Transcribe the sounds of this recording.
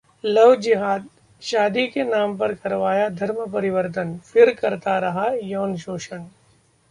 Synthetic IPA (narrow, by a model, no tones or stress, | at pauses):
lɐʋd͡ʒɪɦaːd̪̚ | ʃaːd̪ikenaːmpɐɾkɐɾʋaːjad̪ʱɐɾməp̬ɐɾɪʋəɾt̪ənfɪɾkɐɾt̪aɾɐɦajoːnʃoːʃəɳ